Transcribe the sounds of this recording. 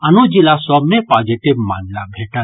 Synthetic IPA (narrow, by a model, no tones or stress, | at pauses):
ɐnod͡ʒilasɔbnepaːd͡ʒiʈibma̰ːnlabʱeːʈən